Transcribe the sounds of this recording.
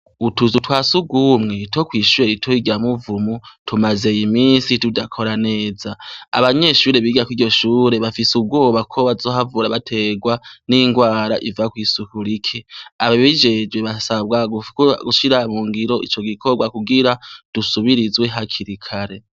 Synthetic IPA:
utuzutwaːsuɡumŋe̞two̞kwiːʃuɾeɾitʰoiɡamuvumutʰumaze̞jimiːnsitudakʰo̞ɾane̞ːzaa̰βaɲe̞ʃuːɾe̞βiːɡakwiɾɟo̞ʃuːɾe̞βafisub̚ɡo̞ːβakʰo̞βazoːɦavuːɾaβatʰe̞ɡwaniŋɡwaːɾaʔivakwiːsukuɾikʰeaβaβid͡ʒe̞d͡ʒwe̞βasaβɡaɡukɡuʃiɾamuŋɡiɾo̞ʔit͡ʃo̞ɡikʰo̞ɡwakuɡiɾad̥usuβiɾizwe̞ɦakʰiɾikʰaɾe̞

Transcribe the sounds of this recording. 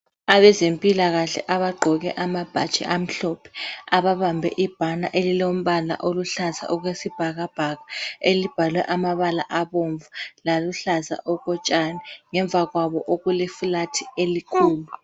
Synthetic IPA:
aβɛzempʼilaɣaɬɛ̰ʔaβaɡ͡ǃʱɔɣɛ̰ʔamab̥ʱa̰t͡ʃʼḭʔam̩ɬɔpʰɛ̥aβaβambʱɛ̰ʔib̥ʱanaʔelilom̩ɓala̰ʔoluɬaza̰ʔɔɣ̬wesib̥ʱaɣab̥ʱaɣaelib̥ʱalwɛ̰ʔamaβala̰ʔaβoɱvulaluɬaza̰ʔɔɣɔt͡ʃʼanɛŋɛɱb̪vʱaɣwaβɔʔoɣulifulatʰielikʰuːlu

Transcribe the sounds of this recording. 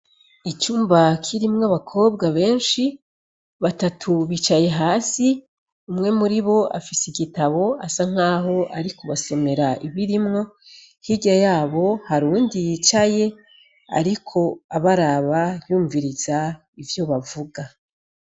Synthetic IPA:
it͡ʃuːmbakʰiɾimŋaβakʰo̞ːb̚ɡaβe̞ːnʃi | βatatʰuβit͡ʃaje̞ɦaːsi | umŋe̞muɾiβo̞ʔa̰fiseiɡitaβo̞asaŋ̥aːɦo̞ʔaɾikoβaso̞me̞ɾaʔiβiɾimŋo̞ | hiɡajaːβo̞haɾuːndijit͡ʃaje̞ | a̰ɾikʰo̞aβaɾaβajuːɱviɾiz̥a | ivjo̞βavuɡa

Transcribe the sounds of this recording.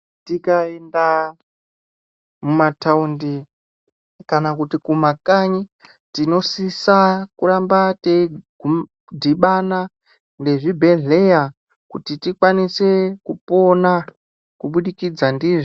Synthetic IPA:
tikaenda | mumataundi | kanakutikumakaɲi | tino̞sisakuɾambateɡʱu | dʱiɓana | nde̞ʐibʱe̞ɮe̞ja | kutitikwanise̞kupo̞na | kuɓuɗikid͡zandiːʐi

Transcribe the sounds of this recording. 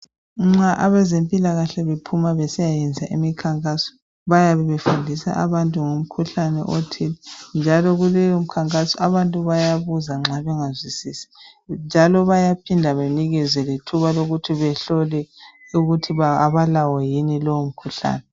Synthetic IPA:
ŋ͡ǁaʔaβɛzempʼilaɣaɬɛβepʰumaβɛsijajɛnd͡zʱaʔimikʰaŋkʼasɔ̥ | βajaβɛβefundʱisa̰ʔa̰βantʼuŋum̩kʰuɬanɛ̰ʔotʰilɛnd͡ʒʱalɔɣulɛjɔm̩kʰaŋkʼasɔʔaβantʼuβajaβuzaŋ͡ǁaβɛŋazwisisi̥ | nd͡ʒʱalɔβajapʰindʱaβeniɣɛzɛlitʰuβaloɣutʰiβɛɬɔlɛuɣutʰiβaβalawɔjinilɔwom̩kʰuɬa̰ːnɛ

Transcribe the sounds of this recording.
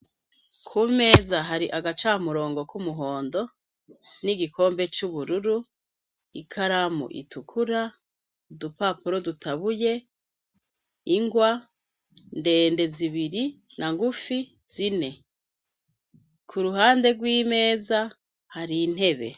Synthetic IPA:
kʰuːme̞ːzaɦaɾiʔaɡat͡ʃamuɾo̞ːŋɡo̞kumuɦo̞ːndo̞ | niɡikʰo̞ːmbe̞t͡ʃuβuɾuɾu | ikʰaɾamṵʔḭtukʰuɾa | dupapuɾo̞dutaβuje̞ | iŋɡwa | nde̞ːnde̞ziβiɾinʔaŋɡufi | z̥ine̞ | kʰuɾuɦaːnde̞ɡwiːme̞ːza | haɾin̥he̞βe̞̰

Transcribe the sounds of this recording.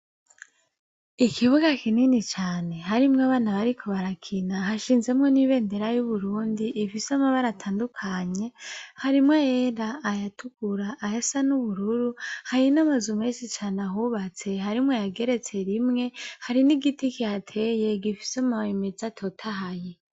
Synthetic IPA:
ikʰiβuɡakininit͡ʃaːne̞ɦaɾimŋaβaːnaβaɾikʰo̞βaɾakʰinaɦaʃiːnze̞mŋo̞niβe̞ːnde̞ɾajuβuɾuːndiʔːfisamaβaɾatʰaːndukʰaɲe̞haɾimŋajeɾaːjatuɡ̥uɾaʔːjesanuβuɾuɾuhaɾinamazumeʃit͡ʃaːnaɦuβat͡se̞ɦaɾimŋejaɡe̞ɾe̞t͡se̞ɾimŋe̞haɾiniɡitikihatʰe̞je̞ɡifi̥samaβaimezatʰo̞tʰaɦaje

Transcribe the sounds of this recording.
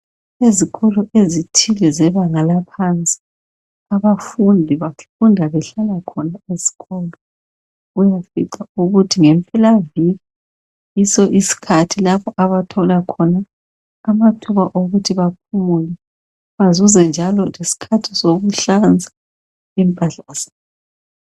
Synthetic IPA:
eziɣɔlɔʔezitʰilɛzɛβaŋalapʰant͡sʼi̥ | aβafundʱiβafundʱaβɛɬalakʰɔnaezi̥ɣɔlɔ | ujafḭǀauɣutʰiŋɛmpʼɛlaviɣi | isɔʔisi̥kʰatʰilaβɔʔaβatʰɔlakʰɔnaː | matʰuβaʔoɣutʰiβap̚ʰumulɛ | βazuzɛnd͡ʒʱalɔlesi̥kʰatʰisoɣuɬand͡zʱḁ | impʼaɬaz̥aː

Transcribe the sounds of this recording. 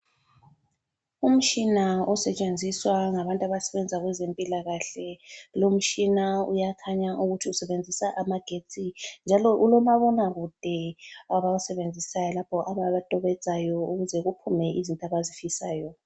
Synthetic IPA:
um̩t͡ʃʼinaɔsɛt͡ʃʼend͡zʱiswaŋaβantʼaβasɛβɛnd͡zʱaɣwɛzempʼilaɣaɬɛlom̩t͡ʃʼinaṵjakʰaɲaʔuɣutʰiusɛβend͡zʱisaʔamaɡ̥ʱet͡sʼind͡ʒʱalɔʔulɔmaβɔnaɣud̥ʱɛaβausɛβend͡zʱisajɔlapʰɔʔaβaβatʼɔβɛd̥d͡z̥ʱajɔuɣuzɛɣupʰumɛizintʼaβazifisaːjɔ

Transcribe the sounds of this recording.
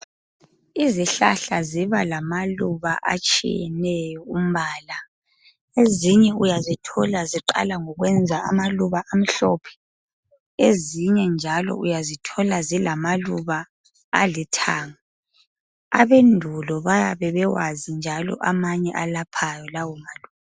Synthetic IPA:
iziɬa̰ɬaziβalamaluβa̰ʔa̰t͡ʃʼḭjɛnɛjjɔum̩baːla | eziɲɛujazitʰɔlaziǃa̰laŋɔɣwɛnd͡zʱaa̰maluβaʔam̩ɬɔpʰɛ̥ | eziɲɛnd͡ʒʱalɔ̰ujazitʰɔlazilamaluβa̰ː | litʰaːŋa | a̰βendʱulɔβajaβɛβɛwazind͡ʒʱalɔ̰ʔamaɲɛʔalapʰajɔlawɔmaluːβa

